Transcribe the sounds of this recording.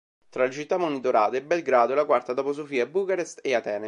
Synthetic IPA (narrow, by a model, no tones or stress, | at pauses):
t̪ɾalet͡ʃit̪ːamːonit̪oɾaːt̪eebɛlɡɾaːd̪oelakwart̪ad̪apos̬ofiːabukaɾest̪eat̪ɛːne